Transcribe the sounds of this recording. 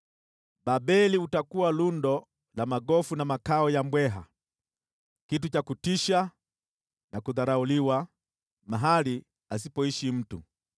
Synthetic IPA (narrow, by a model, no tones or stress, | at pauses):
babɛliutakuwalundɔ | lamaɡɔfunamakaɔjambwɛɦa̰ | kit̬ut͡ʃakutiʃa | nakuðaɾauliwa | maɦali | as̬ipɔiʃim̩tu